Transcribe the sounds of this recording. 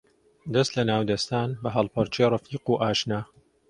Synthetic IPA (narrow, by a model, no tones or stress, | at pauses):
d̪ɐst̪lɐnaːwd̪ɐst̪aːnbɐɦɐlˠpʰɐɾt͡ʃʰerɑfiːquːʔaːʃnaː